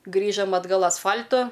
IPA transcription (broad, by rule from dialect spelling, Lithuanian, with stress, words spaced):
ˈɡrʲiːʒɐm ɐdˈɡɐlˠ ɐsˈfɐlʲtʊ